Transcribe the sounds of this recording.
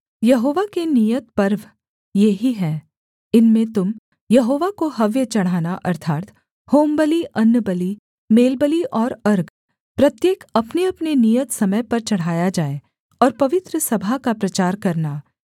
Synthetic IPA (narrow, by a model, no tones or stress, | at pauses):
jɐɦoːʋakenijət̪̚pɐɾʋ | jeɦiɦɛ̃ː | ɪnmẽt̪ʊm | jɐɦoːʋakoɦɐʋjət͡ʃɐɽ̤ɦaːnaʔɐɾt̪ʰaːt̪ | hoːmbəliʔɐnːəbəli | meːlbəliʔɔːɾɐɾɡ | pɾɐt̪jeːkɐpneɐpnenijət̪sɐməjpɐɾt͡ʃɐɽ̤ɦaːjad͡ʒaːe | ɔːɾpɐʋɪt̪ɾəsɐbʱakapɾɐt͡ʃaːɾkɐɾnaː